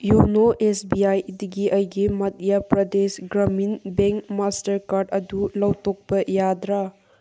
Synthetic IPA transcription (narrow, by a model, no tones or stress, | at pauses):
junoʔesbiajd̪iɡiʔɐjɡimɐt̪̚ijapɾɐdesɡɾɐminbeŋkmastɐɾkaɾɖɐdulawtok̚bɐjad̪ɾa